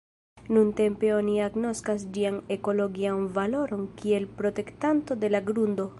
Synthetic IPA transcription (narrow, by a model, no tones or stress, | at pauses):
nunte̞mpe̞o̞niaɡno̞skas̬d͡ʒiane̞ko̞lo̞ɡianvalo̞ɾo̞nkie̞lpɾo̞te̞ktanto̞de̞laɡɾundo̞